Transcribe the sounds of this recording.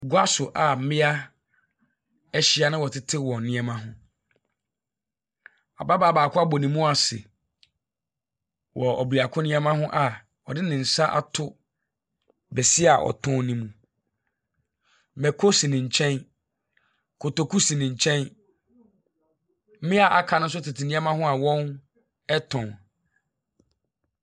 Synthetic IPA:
ɡʊ˦a˦sʊ˨ʔa˨m̩˦mɪ̃˦a˦ | ɛ˦ɕi˦a˦nɪ̃˦wɔ˨tʰɪ˦tʰɪ˦wɔ̃˨nɪ̃˦ɛ˦mã˦ɦʊ̃˦ | a̰˨ba˦ba˨˦˨baː˨kʰʊ˦a˦bɔ˨nĩ˨mũ˦a˨sɪ̰˨ | wɔ˨ɔ˨bu˨a˨kʰʊ̃˦nɪ̃˦ɛ˦mã˦hʊ̃˦ʔa˨ | ɔ˨dɪ˦nɪ̃˨n̩˨sa˦ʔa̰˨tʰʊ˦ | bɛ˨sɪ˦a˨ʔɔ̰˨tʰʊ̃˦nĩ˦mũ˨ | mɛ˨kʰo˦si˨nɪ̃˨ɲ̩˨t͡ɕʰɛ̃˦n | kʰo˨to˨kʰu˦si˨nɪ̃˨ɲ̩˨t͡ɕʰɛ̃˦n˦ | mɪ̃˦a˨ʔa˨kʰa˨nʊ̃˦s̬ʊ˦tʰɪ˨tʰɪ˨nɪ̃˦ã˦mã˦ɦʊ̃˦a˨wɔ̃˦n | ɛ˦tʰɔ̃˨n

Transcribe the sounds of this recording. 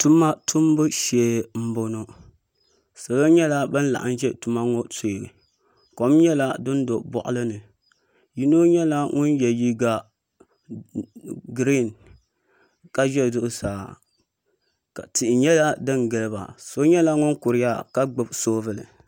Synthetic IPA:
tu˦ma˦tʰʊ˦m˦bɨ˦ʃɛ˨m̩˦bo˨no˦ | so˨lo˦ɲɛ˦la˦bɨ˦n˦la̰˨ʔa̰˦n˦ʒɛ˦tu˨ma˦ŋo˦to˨ɡɨ̰˨ | ko˨mɲɛ˦la˦dɨ˦ndo˨bɔ̰˨ʔʊ̰˦lɨ˦nɨ˨ | ji˦no˦ɲɛ˦la˦ŋʊ˦njɛ˨ji˦ɡa˦ | ɡɾi˦˨n | ka˦ʒɛ˦˨dʊ˦ʔʊ˦saː˨ | ka̰˨tɪ˨ʔɪ˨ɲɛ˦la˦dɨ˦ŋɡɨ˨lɨ˦ba̰˨so˦ɲɛ˦la˦ŋʊ˦nkʊ˨ɾɪ˦ja˦ka˦ɡ͡bɨ˦bsoː˦vɨ˦lɨ̰˨

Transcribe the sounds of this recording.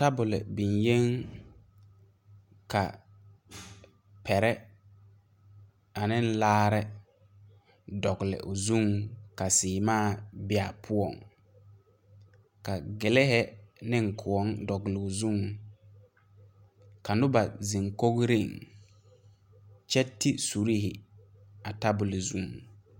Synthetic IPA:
ta˦bʊ˨lɪ̰˨bɪ˨nje˦ŋ | ka˨ | pʰɛ˨ɾɛ˦ | a˨nɪ˦n̩˦laː˦ɾɛ˦ | dɔ˨ɡlɪ̰˨ʔʊ˨zu˦ŋka˨sɪː˨maː˦˨bɪ˦a˨pʰʊ˦ɔ˨ŋ | ka˨ɡɪ˨lɪ˦ɦɛ˦nɪ˦ŋ̩˨kʰʊ˨ɔ˦ŋdɔ˨ɡlɪ˨ʊ˨zu˦ŋ | ka˨nʊ˦ba˨zi˨ŋko˦ɡɾi˦˨ŋ | t͡ʃɛ˦tːɪ˦su˨ɾi˦ɦɪ˨ | a˨ta˦bʊ˨lɪ˨zu˦˨ŋ˨

